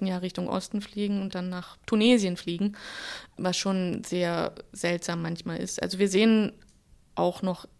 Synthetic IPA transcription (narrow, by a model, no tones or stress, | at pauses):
n̩jaːʁɪçtʊŋʔɔ̰stn̩fliːɡŋ̩ʊnt̚d̥anːaːχtʰuneːzjənfliːɡŋ̩ | vasʃoːnz̥eːɐz̥ɛltz̥aːmːançmaːlɪ̰stʔa̰lzoviːɐzeːən | ʔaʊxnɔχ